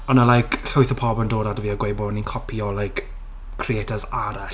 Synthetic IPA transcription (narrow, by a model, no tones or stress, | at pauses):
ɔnalajkʰɬʊɨθəpʰɔbəndoːdadəviːaɡwejbɔninkʰɔpʰiɔlajk | kʰrietʰazaɾaɬ